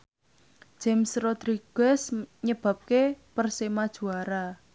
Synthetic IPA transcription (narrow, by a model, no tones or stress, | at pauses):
ʒ̥ɛmsrɔd̪̥ɾiɡɡ̥ɛsɲəb̥a̤p̚kepərsemad̥ʒ̥ṳaɾa